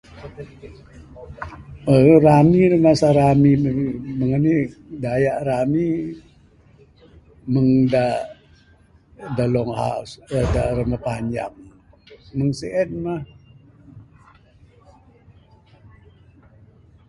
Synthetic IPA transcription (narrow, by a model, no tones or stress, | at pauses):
əramirəmasaɾamiməməŋənidajaʔrami | məŋda | dalɔŋha̰usədarəməpaɲd͡ʒa̰ŋ | məŋseʔɛn̚mah